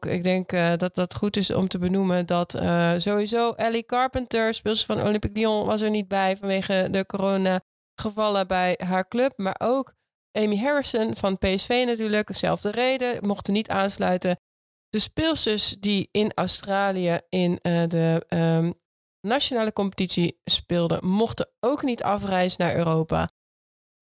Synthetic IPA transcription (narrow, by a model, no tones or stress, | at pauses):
ɪ̰ɡ̚dɛŋkdɑt̚dɑtχutɪsɔ̰mtəbənuməndɑtzowizowʔɛlikɑɹpəntəɹspɪlˠsə̥fɑnʔo̰lɪmpikliɔ̃ʋɑ̰s̬ɛɹnit̚bɛjvɑnʋejχədəkoroːna | χəvɑlˠəbɛjɦaːɹklɵp̚ma̰ːɹʔoːk | ʔejmiɦɛɹɪsənv̥ɑnpejɛsfejnatyːɹləksɛ̰lˠvdərejdəmɔχtənitaːnslœɥtə | d̥əspɪlˠsəsdiɪnɑ̰wstraːlijəɪndə | nat͡ʃonaːləkɔmpə̥titsispɪːlˠdə̰mɔχtəowknitʰɑfrɛjzənaːɹø̰ːrowpa̰